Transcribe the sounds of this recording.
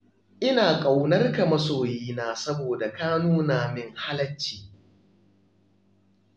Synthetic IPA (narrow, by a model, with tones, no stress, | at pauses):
ʔɪ˦naː˨kʼa˨wnɐ˦rka˨mɐ˦soː˨jiː˦naː˦˨sɐ˦boː˨da˨kaː˦nuː˦naː˨mɪ˦ŋha˦lɐ˦t͡ʃːi̥ː˨